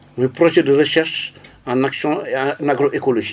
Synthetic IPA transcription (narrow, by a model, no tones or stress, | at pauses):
ɔ̃ɛ̃pɾoʒɛdəɾəʃɛʁʃ | ãnaksjɔ̃naɡɾoʔekoloʒi